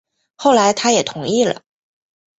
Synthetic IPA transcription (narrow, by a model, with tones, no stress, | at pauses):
xo˥˩ʊla˧˥ɪt̪ʰa˥jɛ˨˩t̪ʰʊ˧˥˦ŋi˥˩lə̰˩